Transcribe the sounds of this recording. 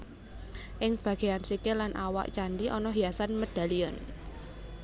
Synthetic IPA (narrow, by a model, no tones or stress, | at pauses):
ʔɪŋb̥ä̤ɡ̥e̤ansikelanʔawa̰ʔt͡ʃanɖiʔɔnɔɦijasanməd̥a̤liɔn